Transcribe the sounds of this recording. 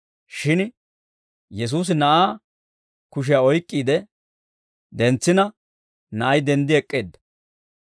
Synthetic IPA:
ʃɪn | jɛs̬uːs̬ɪnɐʔaː | kʊʃ̬ɪjaɔjkʼːiːd̪ɛ | d̪ɛnt͡sːɪnɐ | nɐʔɐjd̪ɛnd̪ɪɛkʼːeːd̪ːɐ̥

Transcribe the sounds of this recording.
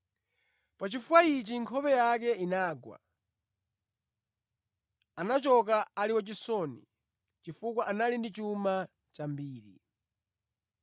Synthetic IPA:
pat͡ʃifuwait͡ʃiŋkʰɔpɛjak̬ɛinaːɡwa̰ | anat͡ʃɔk̬aaliwat͡ʃisɔnḭ | t͡ʃifukwaʔanalindit͡ʃuma | t͡ʃambiːɾi

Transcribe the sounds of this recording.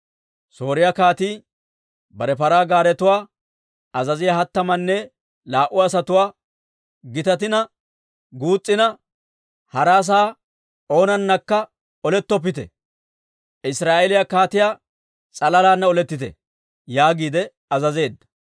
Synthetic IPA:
so̞ːɾɪjakaːt̪iː | bɐɾɛpɐɾaːɡaːɾɛt̪ʊwaː | ɐzɐzɪjɐhɐt̪ːɐmɐnːɛ | laːʔʊːs̬ɐt̪ʊwaː | ɡɪt̪ɐt̪̬ɪnɐ | ɡuːt͡sʼːɪnɐ | hɐɾaːs̬aː | o̞ːnɐnːɐkːɐ | ɔlɛt̪ːɔp̬ːɪt̪ɛ̰ | ɪsɾaːʔelɪjakaːt̪ɪjaː | t͡sʼɐlɐlaːnːɐɔlɛt̪ːɪt̪ɛ̰ | jaːɡiːd̪ɛ | ɐzɐze̞ːd̪ːɐ̥

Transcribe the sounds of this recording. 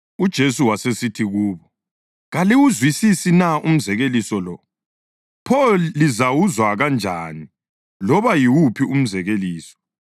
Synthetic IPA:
ud̥ʒ̥ʱesuwasesitʰiɣuːβɔ | ɣaliwuzwisisinaum̩zɛɣelisɔlɔ | pʰɔlːizawuzwaɣand͡ʒʱa̰ːni | lɔβajiwupʰium̩zɛɣeliːsɔ̥

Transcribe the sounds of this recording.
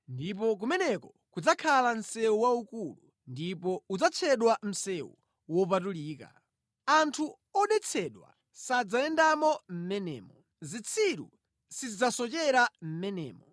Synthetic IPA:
ndip̬ɔk̬umɛnɛkɔ | kud͡zakʰalan̩sɛuwaukulu | ndipɔud͡zat͡ʃʰɛɗwam̩sɛwṵ | wɔpatuliːka̰ | antʰu | ɔɗɛt͡sʰɛɗwa̰ | sad͡zaɛndamɔm̩mɛnɛ̰ːmɔ | zit͡sʰiɾṵ | sizid͡zasɔt͡ʃɛɾam̩mɛnɛ̰ːmɔ̰

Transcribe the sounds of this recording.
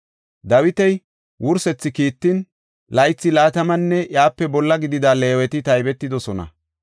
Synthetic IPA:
d̪ɐwɪt̪ɛj | wʔʊɾsɛt͡sːɪkiːt̪ːɪn | lɐjt͡sːɪlaːt̪ɐmɐnːɛʔjaːpːɛbɔlːɐɡɪd̪ɪd̪aːleːwɛt̪ɪt̪ɐjbɛt̪ːɪd̪ɔsɔnɐ̰

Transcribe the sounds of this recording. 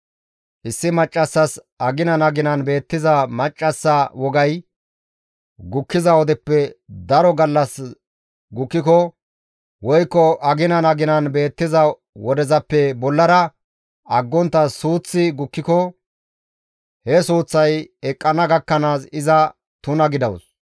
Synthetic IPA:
ʔɪsːɪmɐt͡ʃʼːɐsːɐs | ɐɡɪnɐnɐɡɪnɐnbe̞ːt̪ːɪzɐmɐt͡ʃʼːɐsːɐwɔɡɐj | ɡʊkːɪzɐwɔd̪ɛpːɛd̪ɐɾɔɡɐlːɐs | ɡʊkːɪkɔ | wɔjkːɔʔɐɡɪnɐnɐɡɪnɐnbe̞ːt̪ːɪzɐ | wɔd̪ɛzɐpːɛbɔlːɐɾɐ | ɐɡːɔnt̪ːɐsuːt͡sːɪɡʊkːɪkɔ | hɛsuːt͡sːɐjɛkʼːɐnɐɡɐkːɐnaːsɪzɐ | t̪ʊnɐɡɪd̪ɐws

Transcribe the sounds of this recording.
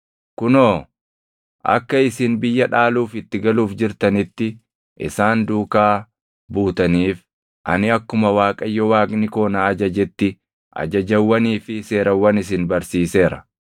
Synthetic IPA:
kʊnoː | ʔɐ̰kːɐɪsɪnbɪjːɐᶑaːluːfɪt̪ːɪɡɐluːfd͡ʒɪɾt̪ɐnɪt̪ːɪ | ʔɪ̰saːnd̪uːkaː | buːt̪ɐniːf | ʔɐ̰nɪɐkːʊmɐwaːkʼɐjːɔwaːkʼnɪko̞ːnaːɐd͡ʒɐd͡ʒɛt̪ːɪ | ʔɐ̰d͡ʒɐd͡ʒɐwːɐniːfɪse̞ːɾɐwːɐnɪs̬ɪnbɐɾsiːse̞ːɾɐ̥

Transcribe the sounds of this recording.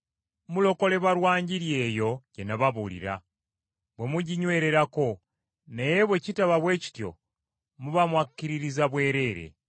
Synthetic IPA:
mulo̞ko̞le̞βaɾwaːɲɟiɾje̞ːjo̞ɟenaβaβulḭɾa̰ | βwe̞muɟiɲwe̞ːɾe̞ɾako̞ | nejeβwe̞citaβaβwe̞ːci̥tjo̞̰ | muβamwakːiɾiɾizaβwe̞ːɾe̞ɾe̞̰

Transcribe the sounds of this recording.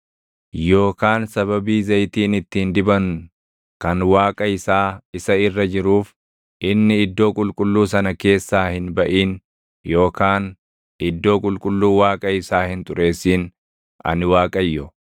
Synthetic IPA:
jo̞ːkaːnsɐβɐbiːzɐjt̪iːnɪt̪ːiːnd̪ɪbɐŋ | kɐnwaːkʼɐɪsaːɪsɐɪrːɐd͡ʒɪɾuːf | ʔɪnːɪɪd̪ːo̞ːkʼʊlkʼʊlːuːs̬ɐnɐke̞ːsːaːhɪnbɐʔiːn | jo̞ːkaːn | ɪd̪ːo̞ːkʼʊlkʼʊlːuːwaːkʼɐɪsaːhɪnt̪ʼʊɾe̞ːsːiːn | ɐ̰nɪwaːkʼɐjːɔ

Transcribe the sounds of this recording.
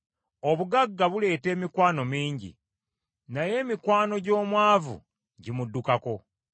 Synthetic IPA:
o̞βuɡaɡːaβule̞ːte̞ːmikwaːno̞miːɲɟḭ | naje̞ːmikwaːno̞ɟo̞ːmwaːvṵ | ɟimudːukako̞

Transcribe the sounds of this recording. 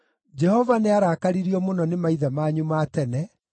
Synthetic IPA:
d͡ʒɛhɔvaneaɾaːkaɾiɾiɔmonɔnemaiðamaɲumaːtɛnɛ

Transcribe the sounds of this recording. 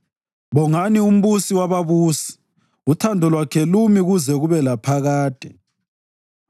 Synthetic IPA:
βɔŋanium̩βusiwaβaβuːsi̥ | utʰandʱɔlwakʰɛlumiɣuzɛɣuβɛlapʰaɣaːd̥ʱɛ

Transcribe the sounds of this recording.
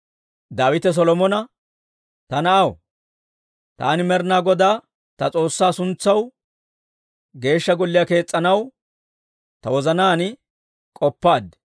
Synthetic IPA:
d̪aːwɪt̪ɛs̬ɔlɔmɔnɐ | t̪ɐnɐʔɐw | t̪a̰ːnɪmɛɾnaːɡɔd̪aː | t̪ɐt͡sʼo̞ːsːaːsʊnt͡sːɐw | ɡe̞ːʃːɐɡɔlːɪjake̞ːt͡sʼːɐnɐw | t̪ɐwɔzɐnaːnɪ | kʼɔpːaːd̪ɛ

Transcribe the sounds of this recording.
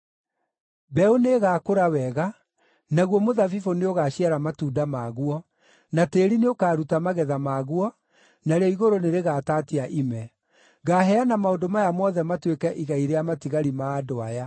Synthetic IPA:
bɛoneɣaːkoɾawɛɣa | naɣwɔmoðavifoneoɣaɕiaɾamatuːdamaɣwɔ | nateːɾineokaːɾutamaɣɛðamaɣwɔ | naɾeɔiɣoɾoneɾeɣaːtaːtiaʔimɛ | ɣaɦɛanamaodomajamɔðɛmatwekɛʔiɣaiɾeamatiɣaɾimaːdoaja

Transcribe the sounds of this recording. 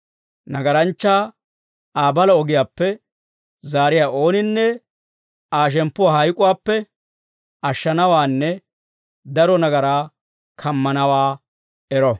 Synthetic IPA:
nɐɡɐɾɐnt͡ʃːaː | aːbɐlɐɔɡɪjaːpːɛ | zaːɾɪjaːʔo̞ːnɪnːɛ | aːʃ̬ɛmpːʊwaːhɐjkʼʊwaːpːɛ | ʔɐʃːɐnɐwaːnːɛ | d̪ɐɾɔnɐɡɐɾaː | kʰɐmːɐnɐwaː | ɛɾɔ

